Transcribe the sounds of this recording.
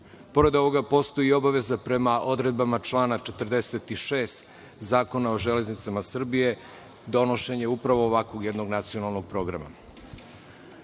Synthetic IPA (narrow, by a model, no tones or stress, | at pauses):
po̞ɾe̞d̪o̞ʋo̞ɡapo̞st̪o̞jio̞baʋe̞zapɾe̞maʔo̞d̪ɾe̞d̪̚bamat͡ʃlˠaːnat͡ʃe̞t̪rd̪eset̪iʃeːst̪ | zaːko̞nao̞ʒele̞znit̪samasr̩bije̞ | d̪o̞no̞ʃe̞ɲeupɾaʋo̞ːʋakʋo̞ɡjed̪no̞ɡnat̪sio̞nalˠnoɡ̚pɾo̞ːɡɾa̰ma̰